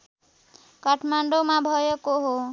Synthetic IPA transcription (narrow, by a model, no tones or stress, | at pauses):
kʌʈʰmaɳɖomabʱʌjekoɦo